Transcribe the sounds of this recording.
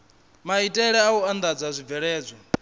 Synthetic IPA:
maitʼɛɺɛauand̪ad͡zazʷib̪vɛɺɛːd͡zʷɔ

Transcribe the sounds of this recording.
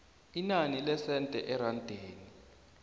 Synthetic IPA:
inanilɛsɛntʼɛʔɛɾandʱeːni

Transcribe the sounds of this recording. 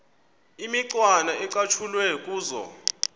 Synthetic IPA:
imiǀwanaɛǃʼat͡ʃʰulwɛkʼuːzɔ̰

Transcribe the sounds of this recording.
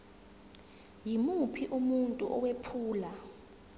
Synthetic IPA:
jimupʰiʔumuntʼuʔɔwepʰuːla

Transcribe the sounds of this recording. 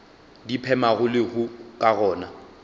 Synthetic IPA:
dipʰɛmaɣʊlɪɣʊkʼaɣɔːna

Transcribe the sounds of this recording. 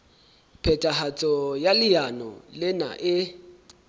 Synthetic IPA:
pʰɛtʼaɦat͡sʼɔjalɪjanɔ̰lɪna̰ʔɪ

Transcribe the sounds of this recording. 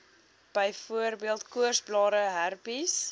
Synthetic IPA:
b̥əjfuərbiəlˠtkuərsblɑːɾəɦærpis

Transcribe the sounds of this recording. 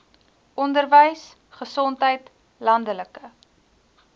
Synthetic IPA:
ʔɔndərvəjs | χəsɔntɦəjt | lɐndələkə

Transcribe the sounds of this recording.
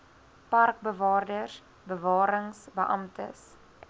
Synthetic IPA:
pɐrk̚bəvɑːrdərs | bəvɑːɾəŋsbəʔɐ̰mtə̰s

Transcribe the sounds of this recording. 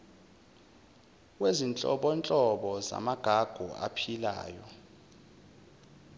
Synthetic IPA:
wezint͡ɬʼɔ̰ɓɔnt͡ɬʼɔɓɔza̰maɡ̥ʱaɡ̥ʱua̰pʰila̰ːjɔ

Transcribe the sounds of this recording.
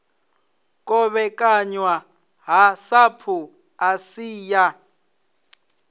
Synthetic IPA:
kʼɔβɛkʼaɲwa | ɦasapʰu | asiːja

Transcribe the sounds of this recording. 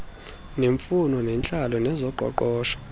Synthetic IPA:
neɱfunɔnɛnt͡ɬʼalɔnɛzɔǃʱɔ̰ǃɔːʃɔ̥

